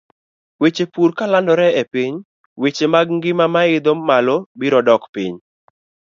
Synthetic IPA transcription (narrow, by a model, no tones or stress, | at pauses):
wet͡ʃepuɾkalandɔɾɛepiɲ | wet͡ʃemaɡŋɡɪmamaɪd̪omalobiɾɔdɔkpḭɲ